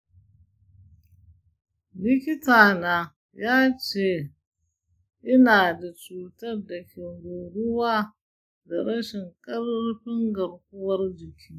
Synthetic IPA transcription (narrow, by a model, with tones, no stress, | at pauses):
lɪ˦kʲɪ˦taː˨naː˨ | jaː˦t͡ʃeː˦˨ | ʔɪ˦naː˨da˨t͡ʃuː˨tɐ˦rda˨kʲɪ˨ɾo˨ɽʊ˦waː˦ | da˨ɾɐ˦ʃɪ˨ŋkʼɐ˦rɸɪ˦ŋɡɐ˨ɾk̚ʷʊ˦wɐ˦rd͡ʒɪ˨kʲʰiː˦